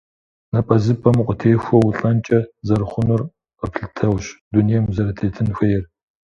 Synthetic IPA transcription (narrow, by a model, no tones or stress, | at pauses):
nɐpʼɐzɨpʼɐmqʷʼʊtʰeːxʷɔwuɬʼɐnt͡ʃʼɐzɐrχʷʊnʊr | ɐpʰɬɨtʰɐwɕdunijɛmzɐɾɐtʰeːtʰɨnxʷɐjɛr